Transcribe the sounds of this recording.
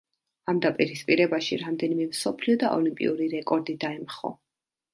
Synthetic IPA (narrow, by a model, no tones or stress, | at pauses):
amd̪apʼiɾispʼiɾɛbaʃiɾamd̪ɛnimɛmsɔpʰliɔd̪aʔɔlimpʼḭuɾiɾɛkʼɔɾd̪id̪aɛmχɔ̰